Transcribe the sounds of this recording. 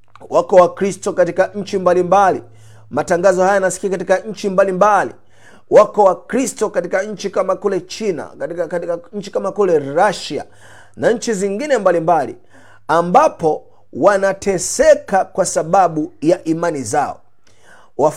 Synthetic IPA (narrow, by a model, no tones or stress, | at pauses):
wakɔwakɾistɔkatikaɲ̩t͡ʃimbalimbali | mataŋɡazɔhajanasi̥kiakatikaɲ̩t͡ʃimbalimbalḭ | wakɔwakɾistɔkatikaɲ̩t͡ʃikamakulɛt͡ʃina̰kɲ̩t͡ʃi̥kamakulɛɾaʃa̰ | naɲ̩t͡ʃiziŋɡinɛmbalimbalḭ | ambapɔ | wanatʰɛsɛkakwasaɓaɓujaʔimanizaɔ̰ | wa